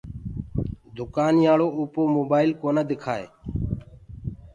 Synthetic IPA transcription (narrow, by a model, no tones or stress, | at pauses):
d̪ʱʊkaːnjaːɭoːuːpoːmoːbaːɪlkoːnaːd̪ɪkʰaːḛː